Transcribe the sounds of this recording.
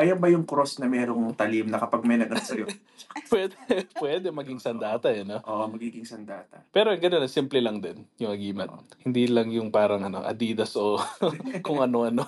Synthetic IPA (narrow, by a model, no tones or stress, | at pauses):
ʔɐjɐbɐjʊŋkɾosnɐmɛːɾoŋt̪ɐlimnɐkɐpɐɡ̚mɐjnɐɡɐnsɐjo | pwɛd̪ɛpwɛd̪ɛmɐɡɪŋsɐnd̪aːt̪ɐʔɐnoʔoːʔomɐɡiːɡɪŋsɐnd̪aːt̪ɐpɛːɾoɡɐnonɐsimplɛlɐŋd̪ɛnjʊŋɐɡiːmɐt̪̚hɪnd̪iːlɐŋjʊŋpaːɾɐŋɐno̞̰ʔɐ̰d̪iːd̪ɐsʔokʊŋɐno̞ʔɐno̞